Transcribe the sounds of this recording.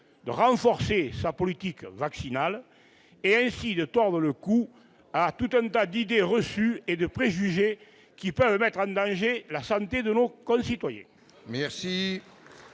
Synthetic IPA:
d̪ə̰ʁɑ̃fɔʁsesapɔlit̪ikvaksinal | eɛ̃sid̪ət̪ɔʁd̪ʁələku | at̪ut̪ɛ̃nt̪ad̪id̪eʁəsyed̪əpχeʒyʒe | kipœvəmɛt̪χɑ̃d̪ɑ̃ʒelasɑ̃nt̪ed̪ənokɔ̃sit̪wajɛ̰̃ | mɛʁsi

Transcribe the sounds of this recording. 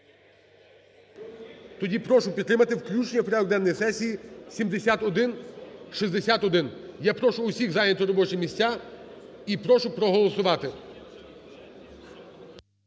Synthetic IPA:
t̪ɔdʲipɾɔʃʊpʲid̪t̪ːɾɪmɐt̪ɪwklʲut͡ʃnʲiɔpɾʲad̪ɔɡ̚d̪ɛnːɔjisɛsʲijisʲimd̪esʲat̪ɔd̪ɪnʃizd̪esʲat̪ɔd̪ɪnjapɾɔʃʊːsʲiɣzɑjnʲɐt̪ɔɾɔbɔt͡ʃɪmʲisʲtʲa | ipɾɔʃʊpɾɔɦɔlˠɔsʊʋɑt̪ɪ

